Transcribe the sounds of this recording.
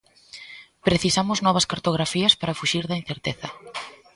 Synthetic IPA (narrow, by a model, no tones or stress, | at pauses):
pɾeθisamʊznɔβ̞ɐskaɾt̪oɣ̞ɾafiɐspaɾɐfuʃiɾðɐin̟θeɾt̪eθɐ